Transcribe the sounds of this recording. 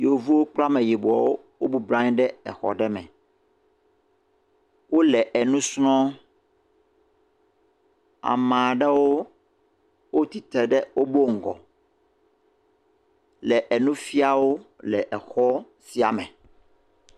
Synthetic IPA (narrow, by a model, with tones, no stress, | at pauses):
jo˨vu˦wo˦k͡pla˦mɛ̃˨ji˨bu˨ɔ˨wo˦ | wo˦bu˨blã˦ɲ̃˦ɖɛ˦ɛ̰˨xɔ̰˨ɖɛ˦mɛ̰̃˨ | wo˦lɛ˨ʔɛ˨nũ˦snɔ̃˦ | a̰˨mã˨ɖɛ˦wo˦ | wo˦t̪i˨t̪ɛ˨ɖɛ˦wʔo˦bo˦ŋ̩˨ɡɔ̰˨ | lɛ˨ʔɛ˨nũ˦fi˦a˨wo˦lɛ˨ʔɛ˨xɔ˦ | si˨a̰˨mɛ̃˨